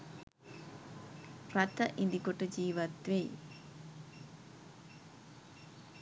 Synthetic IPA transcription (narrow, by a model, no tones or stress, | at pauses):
rat̪əʔind̪ikoʈəd͡ʒiːʋat̪ʋej